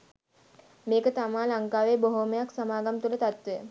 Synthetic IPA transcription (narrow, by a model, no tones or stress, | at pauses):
meːkət̪amaːlaŋkaːʋeːboɦoməjaksamaːɡamt̪ulət̪at̪ʋejə